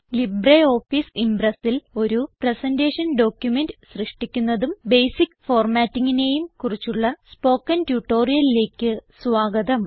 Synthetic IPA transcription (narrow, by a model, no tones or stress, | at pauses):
libreo̞ːfisimbrɐsilo̞ɾupresɐnde̞ːʂɐnɖo̞ːkjumendɨsrɨʂʈikʲːunːɐðumbejsikːfo̞ːrmaːtːiŋːine̞ːjumkurit͡ɕːuɭːɐspo̞ːkːɐntjuʈːo̞ːrijɐlile̞ːkʲːɨsʋaːɡɐðɐm